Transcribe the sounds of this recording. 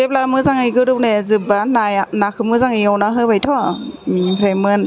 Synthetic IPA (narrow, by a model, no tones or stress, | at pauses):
ep̚lamɯzaŋiɡɯɾɯwnezɯbanajnakʰɯmɯzaŋiawnaɦɯbajtʰɔmipʰɾajmɯn